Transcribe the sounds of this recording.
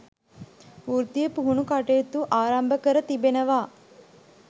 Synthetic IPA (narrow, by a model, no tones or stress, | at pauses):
uɾt̪ijəpuɦunukaʈejːt̪uʔaːɾambəkəɾət̪ibenəʋaː